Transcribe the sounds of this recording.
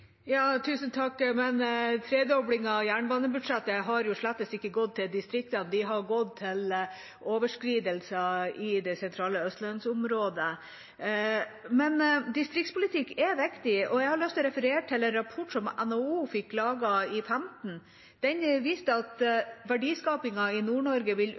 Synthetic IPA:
jɑːt̪ʰʉːsən̩t̪ʰɑkːmɛnt̪ʰɾeːd̪ɔbɽɪŋɑjæːɳbɑːnəbʉɖʂɛt̪ːəɦɑɾjʊʂɭæt̪ːəst̪ɪkːəɡɔd̪̚t̪ʰːɪld̪ɪst̪ɾɪk̚t̪ənd̪ɪɦɑɾɡɔd̪̚t̪ʰːɪl | ʔoːʋəʂkɾiːd̪əlsɑɪd̪ɛsɛnt̪ʰɾɑːləœst̪lœnd̪sʊmɾoːd̪ə | mɛnd̪ɪst̪ɾɪkt̪spʊlɪt̪ʰɪkːɛʋɪkt̪ɪɔjɛɪhɑɾɭœst̪ʰːɔɾɛfəɾeːʈʰɪlɛnɾɑpʰɔʈːsɔmɛ̰nouːfɪkːʰlɑːɡɑɪfæmt̪n̩ | d̪̥ɛɲʋiːst̪əɑt̪ʋæɖiːskɑːpɪŋɑɪnuːɳɔɾɡəʋɪl

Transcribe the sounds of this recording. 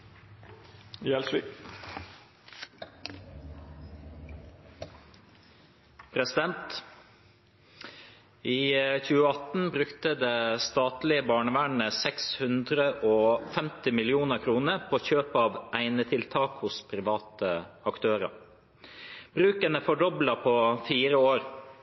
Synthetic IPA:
jɛlsʋɪ̰k | pʰɾɛsɪd̪ɛnt̪ | iːçʉːəɑt̪n̩bɾʉkt̪əd̪eːst̪ɑːt̪lɪəbɑːɳəʋæːɳəsɛkshʉnd̪ɾəʔoːfɛmt̪ɪmɪlɪuːnəkʰɾuːnəɾpʰoːçøːpɑːʋæɪnət̪ʰɪlt̪ʰɑːkhʊspʰɾɪʋɑːt̪əɑkt̪ʰøːɾə̰ | b̥ɾʉːkənəfɔɖɔblɑpʰoːfiːɾəoːɾ

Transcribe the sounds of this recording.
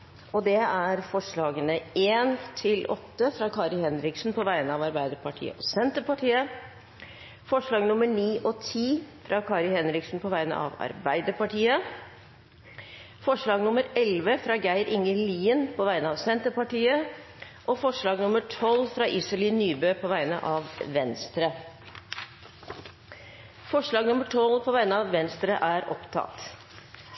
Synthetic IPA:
ɔd̪ɛæɾfɔʂɭɑːɡənəeːnt̪ʰɪlʔɔt̪ːəfɾɑkʰɑːɾɪhɛnɾɪksn̩pʰɔʋæɪənəɑʋɑɾbæɪd̪əpɑʈʰḭːə̰ʔɔsɛnt̪əpɑʈʰiːə | fɔʂɭɑːɡnʊməɳiːʔɔt̪ʰiːfɾʔɑkʰɑːɾɪhɛnɾɪksnpʰɔʋæɪnə̰ʔɑ̰ʋɑ̰ɾbæɪd̪əpɑʈʰiːə | fɔʂɭɑːɡnʊməɾɛlʋəfɾɑːɡæɪɾɪŋəliːənpʰɔʋæɪənəɑʋsɛnt̪əpɑʈiːə | ʔɔfɔʂɭɑːɡnʊməʈʰɔlfɾɑʔisəlɪnyːbøːpʰɔʋæɪnə̰ʔɑːʋʋɛnst̪ɾə | fɔʂɭɑːɡnʊməʈʰɔlpʰɔʋæɪnəɑʋʋɛnst̪ɾəʔæːɾɔ̰pt̪ʰɑ̰t̪

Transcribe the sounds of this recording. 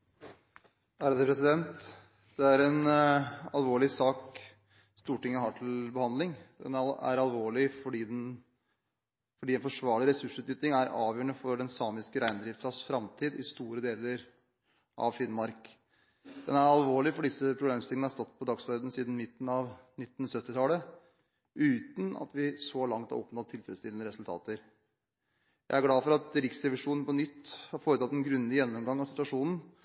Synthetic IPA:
æːɾəd̪ɛpɾɛsɪd̪ɛnt̪ | d̪̥ɛæɾɛn | ɑlʋoːɭɪsɑːk | st̪uːʈɪŋːəhɑːʈʰɪlbəhɑnd̪lɪŋd̪ɛnæ̰ɾɑlʋoːɭɪfɔɖiːd̪ɛn | fɔɖiːɛːnfɔʂʋɑːɭɪɾɛsʉʂʉːt̪yːt̪ɪŋæɾɑːʋjøːəɳəfɔɖɛnsɑːmɪskəɾæɪnd̪ɾɪft̪sɑsfɾɑmt̪ʰiːd̪ɪst̪uːɾəd̪eːləɾ | ʔɑ̰ʋfɪnmɑɾk | d̪̥ɛnæɾɑlʋoːɭɪfɔɖɪsːəpʰɾʊbleːmst̪ɪlŋnəhɑɾʂt̪ɔt̪ːpʰɔd̪ɑɡsʋɔɾd̪n̩siːd̪n̩mɪt̪ːn̩ɑʋnɪt̪ːn̩sœt̪ːɪt̪ʰɑːlə | ʔʉːt̪nɑ̰t̪ʋɪsɔlɑŋt̪hɑ̰ɾɔpnɑt̪ʰːɪlfɾɛst̪ɪlənəɾɛsʉlt̪ʰɑ̰ːt̪əɾ | jæɪæɾɡlɑːfɔɾɑt̪ɾɪksɾɛʋɪʂuːnn̩pɔnʏt̪ːhɑɾfoːɾət̪ʰɑt̪ːɛnɡɾʉnd̪ɪjɛnːɔmɡɑŋːɑsɪt̪ʋɑʂuːnn̩

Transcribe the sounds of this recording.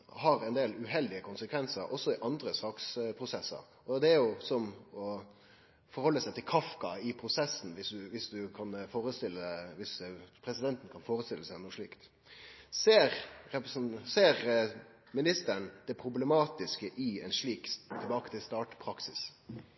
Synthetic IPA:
hɑɾɛɪnd̪eːlʉɦɛld̪ɪəkʰʊnsəkʰʋɛnsəɾʔɔsːɔɪʔɑnd̪ɾəsɑːkspʰɾʊsɛsːə̰ɾ | ɔd̪ɛæɾjʊsɔmɔ | fɔɾhɔlːəsæɪt̪ʰɪlkʰɑfkɑɪpʰɾʊsɛsːn̩ʋɪsd̪ʉʋɪsd̪ʉkʰɑnfoːɾəst̪ɪlːəʋɪspʰɾɛsɪd̪ɛnt̪n̩kʰɑnfoːɾəst̪ɪlːəsæɪnuʂɭḭːkt̪ | seːɾɛpseːɾ | mɪnɪst̪əɳd̪ɛpʰɾʊblɛmɑːt̪ɪskəʔɪɛnʂɭiːkt̪ʰɪlbɑːkət̪ʰɪlst̪ɑːʈpʰɾɑksɪs

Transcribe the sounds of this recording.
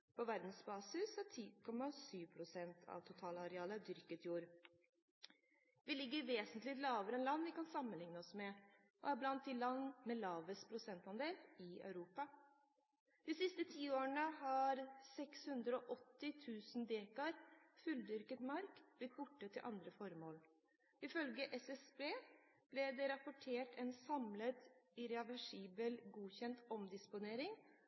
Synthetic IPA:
pʰɔʋæɾd̪n̩sbɑːsɪsæʈʰiːkʰɔmːɑsyːʋpʰɾʊsɛnt̪ʰɑ̰ʋt̪ʰʊt̪ʰɑːlɑɾɛɑːləd̪ʏɾkət̪juːɾ | ʋɪlɪɡːəɾʋeːsənt̪lɪt̪lɑːʋəɾəɛnlɑnːʋɪkɑnsɑmːənlɪŋnəɔsmɛ | ʔɔ̰æɾblɑnt̪̚d̪ɪlɑnmɛlɑːʋəspʰɾʊsɛnt̪ɑnd̪eːlɪœ̰ʉɾuːpɑ | d̪̥ɪsɪst̪ət̪ʰiːoːəɳəɦɑɾsɛkshʉnd̪ɾəɔʔɔt̪ːɪt̪ʰʉːsn̩d̪eːkɑɾfʉld̪ʏɾkət̪mɑɾkb̥lɪt̪̚ːbʊʈːət̪ʰːɪlʔɑnd̪ɾəfɔɾmoːl | ɪfœlɡəʔɛsɛsbeː | b̥lɛd̪ɛɾɑpʊʈʰeːʈʰɛnsɑmlət̪ɪɾɑʋæʂiːbəlɡuːçɛnt̪ɔmd̪ɪspʊneːɾɪŋ

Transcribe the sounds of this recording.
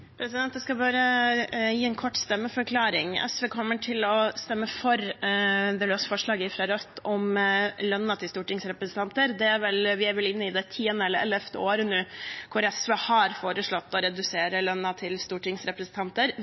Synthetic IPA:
pʰɾɛsɪd̪ɛnt̪̚d̪ɛskɑbɑːɾəjiːɛnkʰɔʈːst̪ɛmːəfɔɾkʰlɑːɾɪŋɛ̰sʋeːkʰɔmːəʈʰɪlɔst̪ɛmːəfɔɾ | d̪ɛløːsfɔʂɭɑːɡəɪfɾɑɾœt̪ːɔmlœnːɑt̪ʰɪlst̪uːʈɪŋsɾɛpɾəsn̩t̪ʰɑnt̪əɾd̪ɛæɾʋɛlʋɪæɾʋɛlɪnːəɪd̪ɛt̪ʰiːənəɛlːəɾɛlɛft̪ʰəoːɾənʉːkʰʊɾɛsʋeːhɑɾfoːɾəʂɭɔt̪ːɔɾɛd̪ʉseːɾəlœnːɑt̪ʰɪlst̪uːʈɪŋsɾɛpɾəsn̩t̪ɑnt̪əɾ

